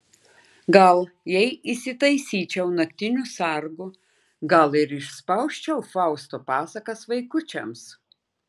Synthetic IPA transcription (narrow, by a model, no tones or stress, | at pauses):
ɡɐlˠ | jɛɪʔisʲɪt̪ɐɪsʲiːt͡ʃʲɛʊnɐk̚ʲt̪ʲɪnʲusɐɾɡʊ | ɡɐlˠɪɾɪʃspɐʊʃʲt͡ʃʲɛʊfɑˑʊst̪oːpɑːsɐkɐsʋɐɪkʊt͡ʃʲɛms